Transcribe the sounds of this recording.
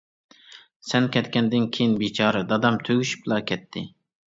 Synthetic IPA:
sɛnkʲʰɛt̪kʲɛnd̪ɪnkʲʰejinbit͡ʃʰɑːɾɨd̪ɑd̪ɑmt̪ʰøɡʲyʃy̥plˠɑkʲʰɛt̪ʰːɪ

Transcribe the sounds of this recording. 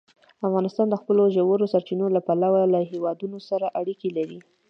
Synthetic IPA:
afɣɑnɪst̪ɑnd̪əxpəloʒawəɾosaɾt͡ʃinolapalawalaɦewɑd̪unosaɾaʔaɽikelaɾi

